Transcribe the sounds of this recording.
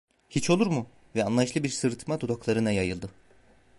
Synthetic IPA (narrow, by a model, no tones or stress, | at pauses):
hit͡ʃʰo̞lˠuɾmu | vɛanˠajɯʃlˠɯbiɾsɯɾt̪ʰmad̪ud̪oklˠaɾɯnajajɯlˠd̪ɯ